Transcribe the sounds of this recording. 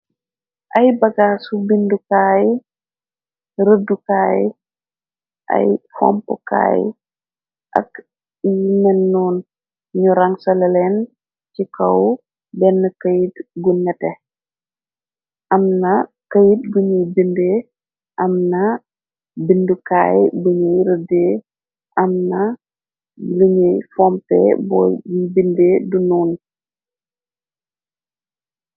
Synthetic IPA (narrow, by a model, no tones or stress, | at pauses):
ʔɐjbɐɡaːsubindukaːj | ɾədukaːj | ʔɐ̰jfɔ̰mpṵka̰ːj | ʔɐ̰k | jnɛnːuːn | ɲuɾɐŋsɐlɐlɛn | cikɐw | bɛnːəkəjitɡunɛtɛ | ʔɐmnɐ | kəjit̚ɡuɲubinde | ʔɐmnɐ | binduka̰ːjbuɲijɾədeː | ʔɐmnɐ | ɡuɲijfɔmpɛ̰bɔ̰bibindedunuːn